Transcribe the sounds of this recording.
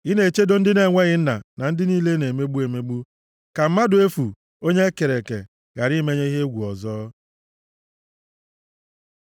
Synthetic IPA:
i˦ne˨e˨t͡ʃe˦do˦n̩˦dɪ˦ne˨ŋʷe˦ɣɪ˦n̩˦na̰˨na˨n̩˦dɪ˦niː˦le˦ne˨me˦ɡ͡bu˦e˨me˦ɡ͡bu˦ | ka˨m̩˦ma˦dʊ˨e˦fu˨ | o˦ɲe˦ke˨ɾe˨kḛ˨ | ɣa˨ɾi˦me˦ɲe˦i˦ɦe˦ɡʷu˨ɔ̰˨zɔː˦

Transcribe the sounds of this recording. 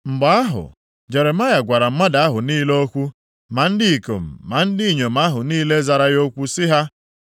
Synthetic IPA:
m̩˨ɡ͡ba˨a˦ɦʊ̰˨ | d͡ʒe˨ɾe˨ma˦ja˨ɡʷa˨ɾa˨m̩˦ma˦da˨a˦ɦʊ˨niː˦le˦o˦kʷu˦ | ma˨n̩˦dɪ˦i˨ko̰˨m̩˨ma˨n̩˦dɪ˦i˨ɲo˨m̩a˦ɦʊ˨niː˦le˦za˨ɾa˦jo˦kʷu˦sɪ˦ɦa˦

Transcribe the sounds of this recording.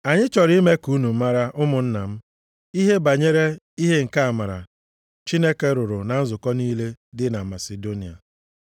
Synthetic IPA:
a˨ɲɪ˦t͡ʃɔ˨ɾi˦i˦me˦ku˨˦nu˨m̩˦ma˦ɾa˦ʔʊ˦mʊ˨n̩˦na˨m̩˦ | i˦ɦe˦ba˨ɲe˦ɾe˦ | i˦ɦe˦ŋ̩˨ka˦a˨ma˨ɾa̰˨ | t͡ʃi˦ne˦ke˦ɾʊ˨ɾʊ˨na˨n̩˦zʊ˨kɔ˦niː˦le˦dɪ˦na˨ma˨se˨do˦ni˨a̰˨

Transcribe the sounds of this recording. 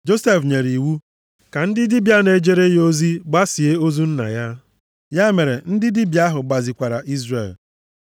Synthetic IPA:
d͡ʒo˦se˦fɲe˨ɾi˨wu˦ | ka˨n̩˦dɪ˦di˦bja˦ne˨d͡ʒe˦ɾe˦jo˦zi˦ɡ͡ba˦si˨e˦o˦zu˦n̩˦na̰˨ja˦ | ja˦me˨ɾe˨n̩˦dɪ˦di˦bja˦ɦʊ˨ɡ͡ba˨zi˨kʷa˨ɾa˨ʔi˦zrḛ˨l

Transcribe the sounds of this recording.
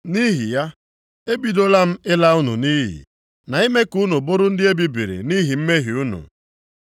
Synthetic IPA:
ni˦ɦi˨ja˦ | e˦bi˨do˦la˦m̩˦ɪ˦la˦u˦nṵ˨ni˦ɦḭ˨ | na˨i˦me˦ku˦nu˨bʊ˦ɾʊ˦n̩˦dɪ˦e˦bi˨bi˨ɾḭ˨ni˦ɦi˨m̩˦me˦ɦi˨u˦nṵ˨

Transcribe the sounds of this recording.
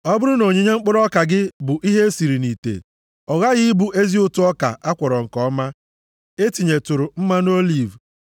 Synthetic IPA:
ɔ˦bʊ˦ɾʊ˦no˨ɲe˨ɲe˦ŋ͡m̩˦k͡pʊ˦ɾɔ˦ka˨ɡɪ˦bʊ˨ʔi˦ɦe˦e˦si˨ɾi˨ni˨tḛ˨ | ɔ˨ɣa˦ɣɪ˦bu˦ʔe˦zi˦ʊ˦tʊ˦ɔ˦ka̰˨ʔa˦kʷɔ˨ɾɔ˨ŋ̩˨kɔ˦ma˦ | e˦ti˨ɲe˨tʊ˨ɾʊ˨m̩˦ma˦n˦o˦li˦˨v

